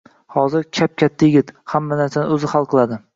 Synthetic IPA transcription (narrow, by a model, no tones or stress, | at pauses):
hɒzɪɾkʲʰap̚kʲʰat̪ʰːajɪɡʲɪt̪hamːanaɾsanɪɵzɪhalˠqʰɨlˠad̪ɪ